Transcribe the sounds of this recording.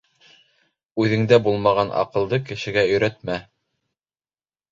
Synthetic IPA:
ʉðɘ̆ŋd̪æbulˠmɑʁɑnʔɑ̰qɤ̆lˠd̪ɤkɘ̆ʃɘ̆ɡæɵ̆jɾæt̪mæ

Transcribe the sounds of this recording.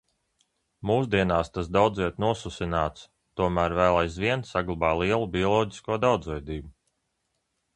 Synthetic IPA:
muːs̬d̪iɛnaːst̪as̬d̪awd̪ziɛt̪nuɔsusinaːt̪s | t̪uɔmæːɾvæːlˠajzviɛnsaɡlˠubaːlˠiɛlˠubʲiɔlˠɔːɟiskuɔd̪awd̪zvɛjd̪iːbu

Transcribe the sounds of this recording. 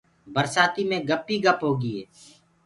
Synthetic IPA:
bəɾsaːt̪imẽɡəpːiɡəpɦoːɡiɦɛː

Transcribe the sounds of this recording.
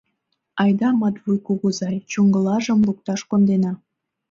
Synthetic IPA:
ɑjd̪ɑmɑt̪βujkuɣuzɑjt͡ɕuŋɡə̆lɑʒə̆mluk̚t̪ɑʃkond̪enɑ

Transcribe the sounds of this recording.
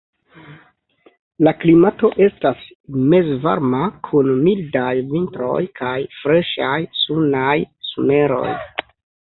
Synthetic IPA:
laklimato̞ʔe̞stas | me̞zva̰ɾmakʰunmildajvintɾo̞̰jkʰajfɾe̞ʃajsunajsume̞ɾo̞̰j

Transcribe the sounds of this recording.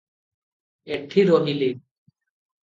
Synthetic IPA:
eʈʰːiɾɔɦile

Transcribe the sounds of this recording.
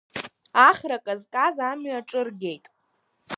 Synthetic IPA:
aχʲrakʼazkʼazamɥaʈ͡ʂʼɨrɡʲe̞jtʼ

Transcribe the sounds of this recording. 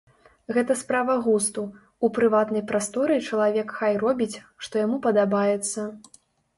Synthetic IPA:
ɣɛt̪ɐspɾavɐɣust̪u | upɾɨvat̪nɐjpɾast̪ɔɾɨt͡ʂɐlˠavʲɛkxajrɔbʲit͡sʲʂt̪ɔjamupɐd̪abajɛt̪sːɐ

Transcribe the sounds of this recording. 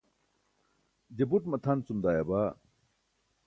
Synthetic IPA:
d͡ʑebuʈmɐt̪ʰant͡sumd̪aːjaba

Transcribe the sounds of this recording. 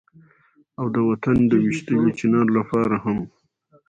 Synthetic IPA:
awd̪əwat̪and̪əwɪʃt̪əwot͡ʃɪnɑɾlapɑɾaham

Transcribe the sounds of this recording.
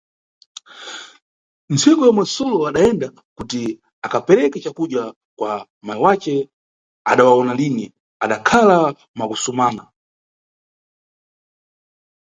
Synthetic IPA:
nt͡sʰɛkɔjamwɛsɔlɔaɗaɛnda | kuti | akapɛɾɛkɛt͡ʃakuɗja | kwa | mawat͡ʃɛ | aɗawaɔnalinɛ | aɗakʰala | makusumaːna

